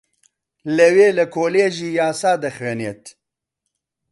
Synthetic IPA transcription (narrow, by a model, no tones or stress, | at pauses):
ləweːləkʰoːleːʒiːjaːsaːd̪ɐxweːneːt̪